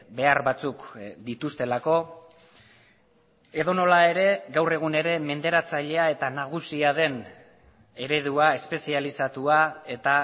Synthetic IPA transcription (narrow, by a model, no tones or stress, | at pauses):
be̞aɾβat͡sukd̪it̪ust̪e̞lako̞ | e̞ðo̞no̞lae̞ɾe̞ɡawre̞ɣ̞une̞ɾe̞me̞nd̪e̞ɾat͡saʎe̞ae̞t̪anaɣ̞usiað̞e̞n | e̞ɾe̞ð̞uae̞spe̞sialisat̪uae̞t̪a